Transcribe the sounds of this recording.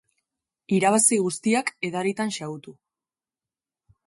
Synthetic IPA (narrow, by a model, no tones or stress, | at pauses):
iɾaβ̞asiɣust̪iake̞ðaɾit̪anʃaut̪u